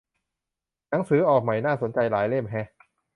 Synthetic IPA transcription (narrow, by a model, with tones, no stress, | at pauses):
na˩˦ŋsɯː˨˦ʔɔː˨˩k̚ma˨˩jnaː˥˩so˩˦nt͡ɕa˧jlaː˩˦jle˥˩mɦɛ˦˥